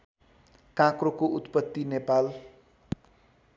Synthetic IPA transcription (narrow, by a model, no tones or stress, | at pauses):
kãkrokoʔut̪pʌt̪ːinepal